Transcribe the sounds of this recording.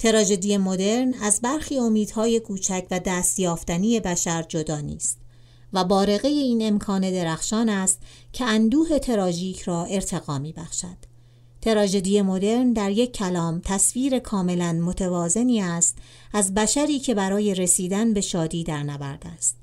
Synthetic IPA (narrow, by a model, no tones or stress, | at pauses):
t̪ʰe̞ɾɒːd͡ʒe̞d̪ijemo̞d̪e̞ɾnæzbæɾxiːo̞miːd̪̥hɒːje̞kʰuːt͡ʃʰæcʰvæd̪æːst̪jɒːft̪ænije̞bæʃæɾd͡ʒo̞d̪ɒːnḭːst̪ | væbɒːɾe̞ɣe̞je̞iːne̞mkʰɒːne̞d̪e̞ɾæxʃɒːnæst̪ | cʰe̞ænd̪uːhe̞t̪ʰe̞ɾɒːʒiːcʰrɒːʔe̞ɾt̪ʰe̞ɣɒːmiːbæxʃæd̪̥ | t̪ʰe̞ɾɒːʒe̞d̪iːje̞mo̞d̪e̞ɾnd̪æɾje̞cʰːælɒːmt̪ʰæsviːɾe̞kʰɒːme̞lænmot̪ʰevɒːze̞niːæst̪ | æzbæʃæɾiːcʰe̞bæɾɒːje̞ɾe̞siːd̪ænbe̞ʃɒːd̪iːd̪æɾnævæɾd̪̥æst̪